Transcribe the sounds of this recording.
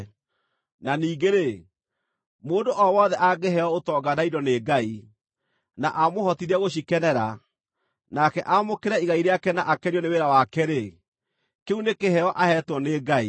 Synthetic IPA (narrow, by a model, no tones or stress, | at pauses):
naniːɡeɾe | moːndoʔɔwɔðɛʔaɡeɦɛɔotɔːɡanaidɔneːɡai | naʔamohɔtiɾɛɣoɕ̬ikɛnɛɾa | nakɛʔamokeɾɛiɣaiɾeakɛnaʔakɛnjɔneweɾawakɛɾe | keunekeɦɛɔʔahɛtwɔneːɡai